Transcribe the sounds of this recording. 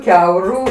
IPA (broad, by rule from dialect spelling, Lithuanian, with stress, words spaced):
ˈkʲɛʊrʊ